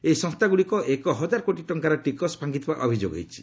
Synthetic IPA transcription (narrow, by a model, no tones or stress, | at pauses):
ejsɔ̃st̪ʰaɡuɽikɔʔekɔɦɔd͡ʒaɾkoʈiʈɔŋkaɾɔʈikɔspʰaŋɡit̪ba̰ʔɔbʱid͡ʒo̰ɡɦḛjt͡ʃʰi̥